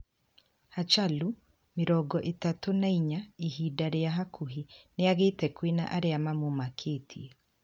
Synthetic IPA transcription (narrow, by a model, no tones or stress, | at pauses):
hat͡ʃalu | meɾɔɡɔʔetatonaiɲaiɦidaɾeaɦakʰuɦineaɣetɛkwena̰ʔaɾeamamomakʰetʰie